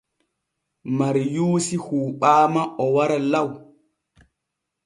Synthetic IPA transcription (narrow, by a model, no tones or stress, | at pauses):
maɾjuːsihuːɓaːmaʔɔwaɾalaw